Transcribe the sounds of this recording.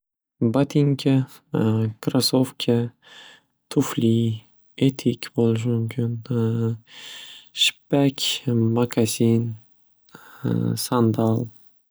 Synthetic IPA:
bat̪ʰiŋkʲʰa | kʰɾasofkʲʰa | t̪ʰʊfli | et̪ʰikʲbolˠɪʃ̬ɪmʊmkʲʰɪn | ʃɪ̥pːakʲmakʰasin | sand̪alˠ

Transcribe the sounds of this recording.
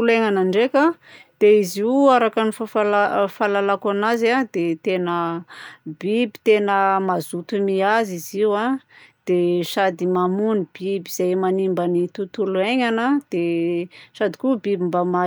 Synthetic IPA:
uleŋanaɳɖ͡ʐeka | d̪̥eiziuaɾakanifafalafalalakanazad̪et̪enə | bibi̥t̪enəmazut̪umiaziziwad̪̥eʃad̪imamunib̥ibiz̥ajmanimbanit̪ut̪ulueɲanəd̪̥eʃad̪i̥kubibimbama

